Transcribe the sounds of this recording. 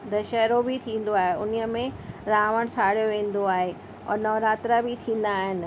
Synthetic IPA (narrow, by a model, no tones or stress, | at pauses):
d̪ɐʃɛɦɾobɪt̪ʰĩːn̆d̪oaːɦeʊniə̆mẽɾaːʋəɽ̃saːɽijoʋẽːn̆d̪oaːɦe | ɔ̰ːɾnɔːʋɾaːt̪ɾabɪt̪ʰĩːn̆d̪aːɦɪnɪ̆